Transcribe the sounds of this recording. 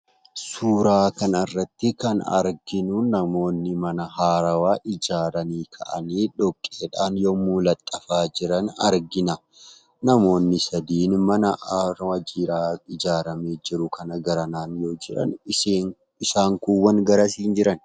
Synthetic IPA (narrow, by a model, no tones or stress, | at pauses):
suːɾaːkɐnɐrːɐt̪ːɪkɐnɐ̰ɾɡɪnʊnɐmo̞ːnːɪmɐnɐɦaːɾɐwaːʔɪd͡ʒaːɾɐniːkʰɐʔɐ̰niːᶑɔkʼːeːᶑaːnjoːmulɐt̪ʼːɐfaːd͡ʒɪɾɐnɐ̰ɾɡɪnɐ | nɐmo̞ːnːɪsɐd̪iːnmɐnɐʔɾwɐd͡ʒiːɾaːɪd͡ʒaːɾɐmeːd͡ʒɪɾʊkʰɐnɐɡɐɾɐnaːnjo̞ːd͡ʒɪɾɐ̰nː | ɪsaːŋkuwːɐnɡɐɾɐsiːnd͡ʒɪɾɐn